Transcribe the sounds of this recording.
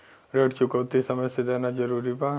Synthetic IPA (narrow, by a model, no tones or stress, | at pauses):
ɾəʈt͡ʃʊkəwt̪isɐməjsed̪eːnad͡ʒɐɾuːɾiba